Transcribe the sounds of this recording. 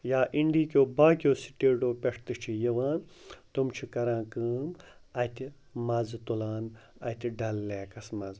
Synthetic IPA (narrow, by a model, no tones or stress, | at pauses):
jaːʔiɳɖiːkʲoːbaːkʲjoːsi̥ʈeːʈoːpeʈʰt̪ɨt͡ʃʰijɐʋaːnt̪umt͡ʃʰikɐɾãːkɨːmɐt̪ʰʲi | mɐzt̪ulaːnɐt̪ʲʰiɖɐlːeːkɐsmɐz